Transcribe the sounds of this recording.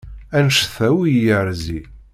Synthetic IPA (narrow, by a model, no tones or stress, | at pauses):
ænʃθæwijəɾzi